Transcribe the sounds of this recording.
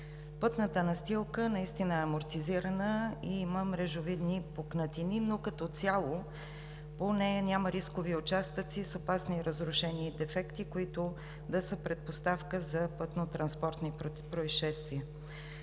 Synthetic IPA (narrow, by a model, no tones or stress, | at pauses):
pət̪nət̪ənɐst̪ilˠkənɐist̪inəɛɐmoɾt̪iziɾənəiiməmɾɛʒʊvid̪nipoknət̪ininokɐt̪ɔt̪sʲjalˠo | ponɛjənʲaməɾiskoviʊt͡ʃast̪ət̪sisopasniɾəzɾʊʃɛniːd̪ɛfɛkt̪ikoit̪ʊ | d̪ɐsəpɾɛt̪̚post̪afkəzɐpət̪not̪ɾɐnspɔɾt̪nipɾoisʃɛst̪viɛ